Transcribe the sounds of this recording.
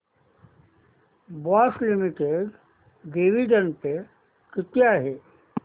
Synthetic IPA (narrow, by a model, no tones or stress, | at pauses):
baːslimiʈeɖ | ɖeʋiɖənpe | kit̪jaɦe